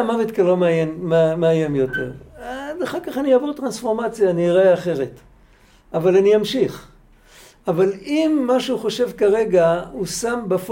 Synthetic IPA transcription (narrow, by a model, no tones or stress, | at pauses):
mavet̪kalo̞meajenmmeajemjo̞te̞̰ʁdaχaʁkaχaniavoʁtʁansfo̞ʁmat͡sjaːniʁaeaχe̞ʁe̞t | avalanijamʃiχ | avalimːaʃuχo̞ʃe̞vkaʁe̞ɡahusambef